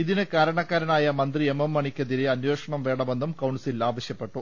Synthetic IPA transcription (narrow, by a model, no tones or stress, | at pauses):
iðinɨkaːɾɐɳɐkːaːɾɐnaːjɐmɐnd̪riememːɐɳikʲːɐðiɾeɐnweːʂɐɳɐmʋe̞ːɽɐme̞nːumkɐwɳsilaːʋɐɕjɐpːe̞ʈːu